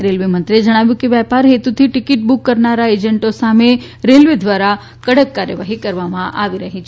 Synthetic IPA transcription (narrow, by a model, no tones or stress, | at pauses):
ɾelʋimənt̪ɾied͡ʒəɽ̃aʋjũkeʋjɛpaɾɦet̪ut̪ʰiʈɪkiʈ̚bukːəɾnaɾaed͡ʒəɳʈosame | ɾelʋid̪ʋaɾa | kəɽəkːaɾjəʋaɦikəɾʋamãʔaʋiɾəɦit͡ʃʰe